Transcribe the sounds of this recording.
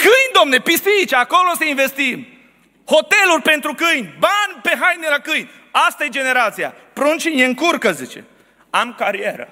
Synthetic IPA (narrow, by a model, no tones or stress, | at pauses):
kɨnʲd̪omne̞pisit͡ʃːko̞lo̞səinve̞st̪im | ho̞t̪e̞lurʲpe̞nt̪ɾukɨjnʲbanʲpe̞ɦajnelakɨjnʲ | ast̪aje̞d͡ʒe̞ne̞ɾat̪sija̰ | pɾont͡ʃinjeɨŋkurkəzit͡ʃḛ | amkaɾieɾə̰